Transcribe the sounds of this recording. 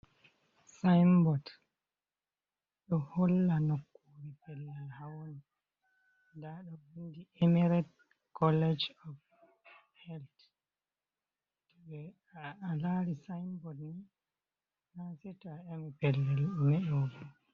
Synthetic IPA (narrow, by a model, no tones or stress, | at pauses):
sajmbɔd | ɗɔhɔlːanɔkːuɾipɛlːahawoni | daɗɔwindiemɛɾɛt | kʰɔlɛd͡ʒɔf | hɛlt | tɔɓɛ | alaɾisajmbɔdni | nasɛtɔaɛmɛpɛlːɛlmɛʔɛwɔɡɔ